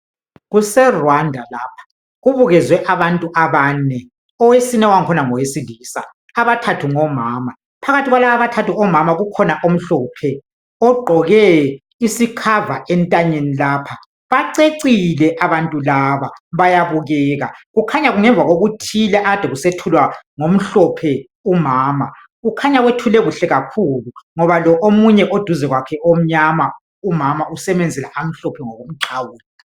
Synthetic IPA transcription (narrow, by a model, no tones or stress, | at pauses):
ɣusɛrwandʱalaːpʰḁ | ɣuβuɣɛzwɛʔaβantʼuʔaβaːnɛ | ɔwesinɛwaŋkʰɔnaŋɔwesiliːsa̰ | aβatʰatʰuŋɔmaːma | pʰaɣatʰiɣwalaβaβatʰatuɔmamaɣukʰɔnaʔom̩ɬɔːpʰɛ | ɔɡ͡ǃʱɔɣɛ | isikʰavaʔɛntʼaɲenilaːpʰa | βaǀeǀilɛʔaβantʼulaβaβajaβuɣɛɣaɣukʰaɲaɣuŋɛɱvʱaɣoɣutʰilɛʔaad̥ʱɛɣusetʰulwaŋom̩ɬɔpʰɛ | umaːma | ɣukʰaɲaɣwetʰulɛɣuɬɛɣakʰuluŋɔβalɔʔomuɲɛʔod̥ʱuzɛɣwakʰɛʔom̩ɲama | umamaʔusɛβɛnd͡zʱɛlaʔam̩ɬɔpʰɛŋɔɣom̩ǀʰawuːli